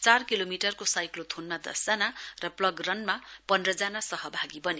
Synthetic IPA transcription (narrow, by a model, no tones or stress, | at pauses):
t͡sarkilomiʈʌrkosajklot̪ʰonmad̪ʌ̰sd͡zanarʌplʌɡrʌnmapʌndrʌd͡zanasʌɦʌbʱaɡibʌne